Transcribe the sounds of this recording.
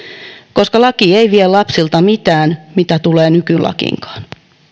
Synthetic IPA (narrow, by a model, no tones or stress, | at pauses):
koskɑlɑkieiʋiellɑpsilt̪ɑmit̪æːnmit̪æt̪uleːnykylɑ̰kḭŋkɑ̥ːn